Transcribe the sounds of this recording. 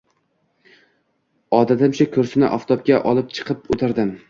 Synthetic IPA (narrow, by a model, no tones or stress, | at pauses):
ɒd̪at̪ʰɪmt͡ʃʰɪkʰʲɵɾsɪnɪʔɒft̪ʰɒp̚kʲaʔɒlˠɪp̚t͡ʃʰɨ̥qʰɨpɵt̪ʰɪɾd̪ɪm